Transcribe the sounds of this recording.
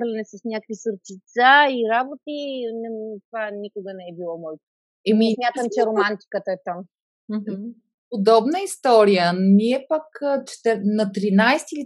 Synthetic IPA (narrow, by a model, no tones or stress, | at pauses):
ɾlʲɛnɛsəsnʲakəkvisuɾt͡ʃit̪saiɾabot̪inɛt̪vanikʊɡənɛɛbilˠɔmɔjt̪o | ɛmiɛsmʲjat̪əmt͡ʃɛɾomant̪i̥kət̪əɛt̪am | m̩ɦm̩ | pod̪ɔbnəist̪ɔɾijəniɛpəkt͡ʃɛ̥t̪ɛɾnɐt̪ɾinajst̪ili